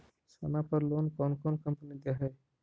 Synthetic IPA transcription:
sɐnapəɾloːnkɔnkɔnkəmpənid̪eɦəj

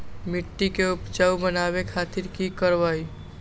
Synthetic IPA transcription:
miʈːikeupt͡ʃawbənaβekʰat̪iɾkikəɾbaj

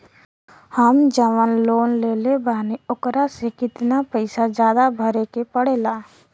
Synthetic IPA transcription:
həmd͡ʒəʋənloːnleːlebʱaːniʊkɾasekɪt̪napəɪsad͡ʒjaːd̪abʱəɾekepəɽeːlaː

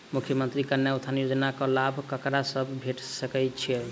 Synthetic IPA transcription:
mukʰjəmənt̪ɾikəɾnjaut̪ʰanjod͡ʒnakəlabʱkəkɾasəbbʱeʈsəkɛt͡ʃʰiɛ

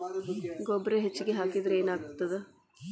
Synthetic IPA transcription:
ɡobɾeɦet͡ʃːiɡeɦaːkid̪ɾeːnaːɡt̪ːɐd̪e

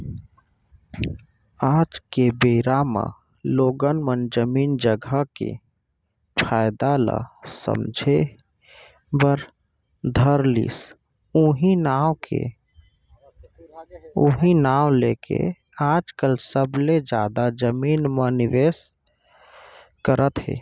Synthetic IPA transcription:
ad͡ʒkebeɾama̰ | loɡənmənd͡ʒəmiːnd͡ʒəɡʱəkḛ | pʰajd̪ala̰sə̰md͡ʒʱe | bəɾ | d̪ʱəɾlḭs | uɦinawkʰḛ | oɦinawlekḛ | ad͡ʒkəlsəbled͡ʒad̪ad͡ʒəmiːnməniʋes | kəɾət̪ɦḛ

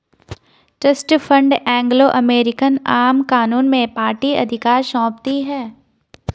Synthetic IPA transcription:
ʈɾəsʈfʰə̃ɳɖɛ̃ːŋɡloʔɐmeːɾɪkənaːmkaːnuːnmẽpaːɾʈiɐ̰d̪ʱɪkaːɾʃɔ̃ːp̚t̪iɦɛː

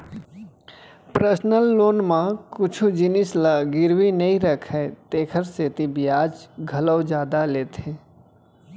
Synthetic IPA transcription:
pɾəsnəlːoːnmãkʊt͡ʃʰud͡ʒɪnɪslaɡɪɾʋinəĩɾəkʰɛt̪eːkʰəɾseːt̪ibɪjaːd͡ʒɡʱɐləwd͡ʒaːd̪aleːt̪ʰeː

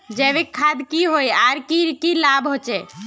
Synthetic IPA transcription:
d͡ʒɛβekʰːad̪kiɦojaɾkiɾkilabɦot͡ʃɛ

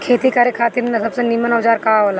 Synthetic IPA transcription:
kʰeːt̪ikaːɾjekʰaːt̪iɾnesɐbsenimənaʋd͡ʒaːɾkaaɦola

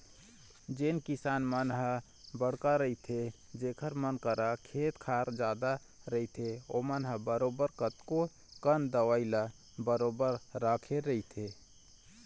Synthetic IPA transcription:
d͡ʒeːnkɪsaːnmənɦə | bəɽ̤kaɾəit̪ʰed͡ʒeːkʰəɾmənkəɾakʰeːt̪kʰaːɾd͡ʒaːd̪a | ɾəit̪ʰeomənɦəbəɾoːbəɾkət̪ko | kənd̪əwaila | bəɾoːbəɾːaːkʰeɾəɦit̪ʰe

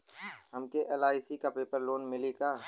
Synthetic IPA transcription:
ɦɐmkeʔɛlaːɪsikapeːpəɾloːnmɪlikaː

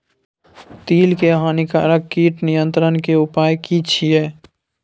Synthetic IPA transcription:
t̪iːlkeɦaːnikaːɾəkːiːʈnɪjə̃nt̪ɾənkeʊpaːjkit͡ʃʰiɛː

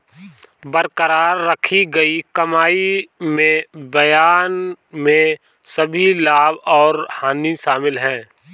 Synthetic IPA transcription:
bəɾkəɾaːɾːəkʰiɡɐikɐmaːimẽbɐjaːnmẽ | səbʱilaːbɔːɾhaːniʃaːmɪlɦɛ̃ː

